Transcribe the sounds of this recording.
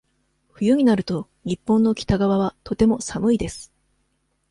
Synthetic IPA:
ɸɯ̟jɯɲ̟inaɾɯ̟t̪o̞ | ɲ̟ipːõ̞nːo̞kʲi̥t̪aɡaβaβ̞at̪o̞t̪e̞mo̞samɯ̟id̪e̞sɨ̥

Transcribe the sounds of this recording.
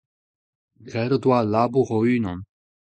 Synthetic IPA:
ɡʁɛɾəd̪walabuʁoynɔ̃n

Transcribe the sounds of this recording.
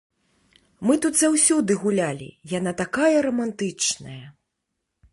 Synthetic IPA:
mɨt̪ut̪zawsʲud̪ɨɣulʲalʲḭjan̪at̪akajɐɾɐmant̪ɨt͡ʂnɐjɐ

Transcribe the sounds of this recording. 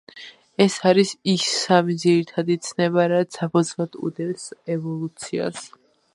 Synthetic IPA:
ɛsaɾisisːamid̪ziɾit̪ʰad̪it̪sʰnɛβaɾat̪sapʰɔd̪zlˠad̪ṵd̪ɛlsɛvɔlˠut̪sʰia̰s

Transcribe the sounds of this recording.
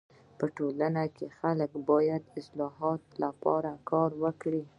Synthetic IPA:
pəʈolanakexaləkbɑjad̪ɪslɑɦɑt̪lapɑ̰ɾakʰɑɾwəkɽi

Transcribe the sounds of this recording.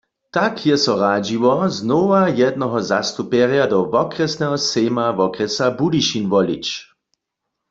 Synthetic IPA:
t̪akʰjɛsɔʁaːd͡ʒiʋɔznoːʋajɛd̪nɔɦɔzast̪upɛʁjadɔʋɔkʁɛsnɛɦɔseːmaʋɔkʁɛsabudiʃinʋɔlit͡ʃ

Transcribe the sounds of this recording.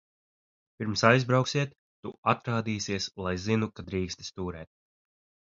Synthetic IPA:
piɾmsajzbɾawksiɛt̪ːuat̪ɾaːd̪iːsiɛslˠajzinukad̪ɾiːkst̪i̥st̪uːɾɛːt̪̚

